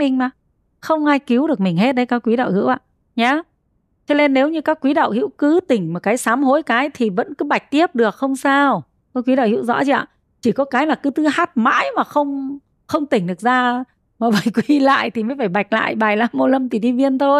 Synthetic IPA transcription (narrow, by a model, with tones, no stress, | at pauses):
mï˨˩ŋ̟maː˨˩ | xə˧wŋ͡mʔaː˧jki˨˦wɗɨ˨˩ək̚mï˨˩ŋ̟he˦˥t̚ɗə˨˧˦jkaː˦˥kːwi˨˦ɗə̰˧˨whḭ˧˥wʔa̰ː˧˨ | ɲaː˨˦ | t͡ɕə˧ne˧nːe˨˦wɲɨ˧kaː˦˥kːwi˨˦ɗə̰˧˨whḭ˧˥wkɨ˨˦t̪ï˧˩ŋ̟mo˨˩t̚kaː˨˦jsaː˨˦mho˨˦jkaː˨˦jt̪ʰi˨˩və̰˧˥nkɨ˨˦ɓa˨˩jk̟̚t̪i˦˥əp̚ɗɨ˨˩ək̚xə˧wŋ͡msaː˧w | kɔ˨˦kwi˨˦ɗə̰˧˨hḭ˧˥wzɔ̰˧˥t͡ɕi˧˥ʔa̰ː˧˨ | t͡ɕi˧˩kɔ˨˦kaː˨˦jlaː˨˩kɨ˨˦t̪ɨ˨˦haː˦˥t̚ma̰ː˧˥jmaː˨˩xə˧wŋ͡m | xə˧wŋ͡mt̪ï˧˩ŋ̟ɗɨ˨˩ək̚zaː˧ | maː˨˩və˧˩jkwi˨˧˩la̰ː˧˨jt̪ʰi˨˩məː˨˦jfaː˧˩jɓa˨˩jk̟̚la̰ː˧˨jɓaː˨˩jlaː˧mːo˧lə˧mt̪i˨˩ɗi˧vi˧ənt̪ʰo˧j